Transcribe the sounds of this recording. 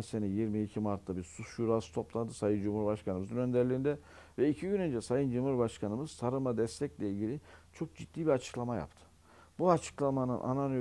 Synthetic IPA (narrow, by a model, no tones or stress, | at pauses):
nsenɛjiɾmiːcʰimaɾt̪ʰːabiɾsuʃuɾaːsɯ̥t̪ʰo̞plˠad̪ɯsajɯnd͡ʒumhuɾbaʃkʰanɯmɯzɯnø̞nd̪ɛɾlʲiind̪ɛ | vɛicʰiɟynø̞nd͡ʒɛsajɯnd͡ʒumhuɾbaʃkʰanɯmɯz̥sʰaɾɯmad̪ɛst̪ʰɛclʲɛilʲɟʲilʲit͡ʃʰo̞k̚d͡ʒid̪̥ːiːbiat͡ʃʰɯ̥klˠamaja̰pt̪ʰɯ̥ | buat͡ʃʰɯ̥klˠamanɯnʔa̰nanø